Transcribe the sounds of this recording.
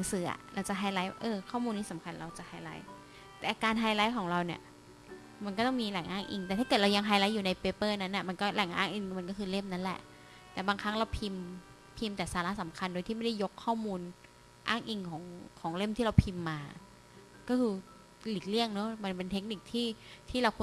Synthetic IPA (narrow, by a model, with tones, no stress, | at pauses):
la˨˦ŋsɯː˩˦ʔa̰˨˩ɾʔa̰˧wt͡ɕa˨˩ʔɦaː˧jlaː˦˥jʔɤː˧kʰɔː˥˩muː˧nːiː˥˩sa˨˩˦mkʰa˧nɾa˧wt͡ɕa˨˩ʔhaː˧jla˦˥j | t̪ɛː˨˩kaː˧nɦaː˧jlaː˦˥jkʰɔː˩˦ŋɾa˧wni˧˩ɐ | ma˧nkɔː˥˩t̪ɔ˥˩ŋmiː˧lɛ˨˩˦ŋʔaː˥˩ŋʔḭ˧ŋt̪ɛː˨˩a˥˩kɤː˨˩t̪̚ɾa˧wja˧ŋɦaː˧jla˦˥jːuː˨˩na˧jpeː˦˥pɤː˥˩na˦˥nːa˨˩ma˧nkɔː˥˩lɛ˨˩˦ŋʔa̰ː˥˩ŋʔi˧ŋma˧nk̬ɔ˥˩kʰɯː˧le˥˩mna˦˥nlɛ̰˨˩ʔ | t̪ɛː˨˩baː˧ŋkʰa˦˥ŋɾa˧wpʰi˧m | pʰi˧mt̪ɛː˨˩saː˨˧˦la˦˥ʔsa˨˩˦mkʰa˧ndoː˧jt̪ʰiː˥˩ma˥˩da˥˩jo˦˥kʰːɔː˥˩muː˧n | ʔa̰ː˥˩ŋʔi˧ŋkʰɔː˩˦ŋkʰɔː˩˦ŋle˥˩mt̪ʰiː˥˩ɾa˧wpʰi˧mːaː˧ | kɔː˥˩kʰɯː˧ | li˨˩k̚li˥˩əŋnɔ˦˥ma˧npe˧nt̪ʰe˦˥k̚ni˨˩k̚t̪ʰiː˥˩t̪ʰiː˥˩ɾa˧wkʰu˧